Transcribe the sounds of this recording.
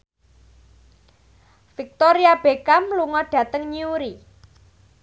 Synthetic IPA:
fik̚t̪oɾiab̥ekamluŋɔɖ̥ä̤t̪əŋɲiuɾi

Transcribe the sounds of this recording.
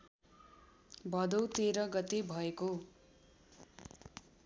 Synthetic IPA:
bʱʌd̪ʌwt̪eɾʌɡʌt̪ebʱʌeko

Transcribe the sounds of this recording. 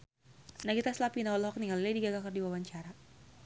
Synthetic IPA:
naɡit̪aslapinaɔlɔɦɔk̚niŋaliladiɡaɡakɨrdiwawaɲt͡ʃaɾa

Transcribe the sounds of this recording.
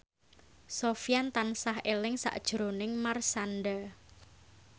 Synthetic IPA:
sofijant̪ansahelɪŋsa̰ʔd̥ʒ̥əɾonɪŋmarsanɖa

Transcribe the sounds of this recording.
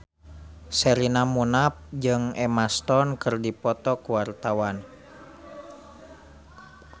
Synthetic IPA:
sɛɾinamunap̚d͡ʒɨŋɛmast̪ɔnkɨrdipɔt̪ɔkuwart̪awan

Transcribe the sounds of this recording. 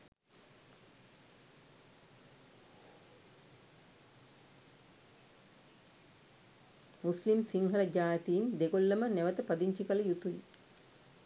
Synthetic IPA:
muslimsiŋɦɐɾɐd͡ʒaːjt̪iːnd̪eɡolːɐmənɛʋət̪əpɐd̪iɲt͡ʃikɐlɐjut̪uḭ

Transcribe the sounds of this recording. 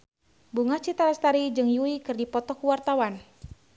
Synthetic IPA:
buŋat͡ʃit̪aɾast̪aɾid͡ʒɨŋjuikɨrdipɔt̪ɔkuwart̪awan

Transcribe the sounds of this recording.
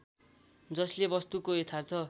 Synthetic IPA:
d͡zʌslebʌst̪ukoet̪ʰart̪ʰʌ

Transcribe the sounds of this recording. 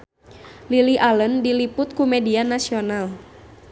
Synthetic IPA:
liliʔaləndilipʊt̪̚kumɛdianasional

